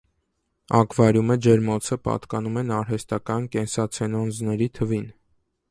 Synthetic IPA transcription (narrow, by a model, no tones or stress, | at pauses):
ɑkʰvɑɾjuməd͡ʒɛɾmɔt͡sʰəpɑ̰t̪kɑnumɛnɑɾɦɛst̪ɑkɑnkɛnsɑt͡sʰɛnɔnd͡znɛɾit̪ʰəvin